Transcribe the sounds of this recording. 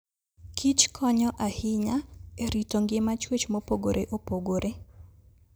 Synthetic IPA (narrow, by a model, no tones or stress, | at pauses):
kʰit͡ʃkʰɔɲɔʔahɪɲaeɾitoŋɡɪmat͡ʃwet͡ʃmopoɡoɾʔeʔopoɡoɾʔe